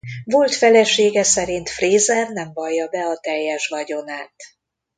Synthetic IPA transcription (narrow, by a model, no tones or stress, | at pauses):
vo̞lt̪fɛlɛʃeːɡɛsɛɾint̪freːzɛrnɛɱvɒjːɒbɛɒt̪ɛjːɛʃvɒɟo̞naːt̪